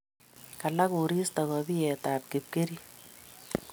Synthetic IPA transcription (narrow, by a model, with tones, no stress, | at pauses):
ka˨la˦ko˨ɾi˦sta˨ɣɔbi˦ɛ˨taː˨p̚kep̚ke˦ɾi˦